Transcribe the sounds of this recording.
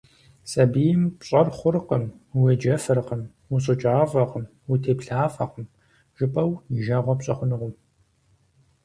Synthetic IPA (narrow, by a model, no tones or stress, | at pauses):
sʼɐbijɪmpɕʼɐrχʷʊrqəmwed͡ʒɐfɐrqəm | wʊɕ̬ʼɨt͡ʃʼaːvɐqəm | wutʰeːpɬaːfɐqəm | ʒ̥ɪpʼɐwʒɐʁʷɔpɕʼɐχʷʊnɨʁʷʊm